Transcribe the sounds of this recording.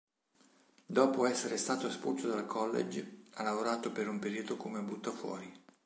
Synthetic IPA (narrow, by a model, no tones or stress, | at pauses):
d̪ɔːpoɛsːeɾest̪aːt̪oaspusod̪alkʰɔlːḛd͡ʒalːavoɾaːt̪opeɾumpeɾiːd̪okomeabːut̪ːafwɔ̰ːɾi